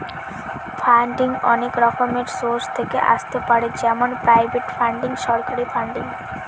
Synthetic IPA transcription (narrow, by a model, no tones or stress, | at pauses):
pʰaɳɖiŋɡɔ̰nekɾɔkɔɾmeʈsoɾst̪ʰekḛʔa̰st̪epaɽed͡ʒɛmanpɾajbeʈpʰaɳɖiŋɡʃɔɾkaɾipʰaɳɖiŋ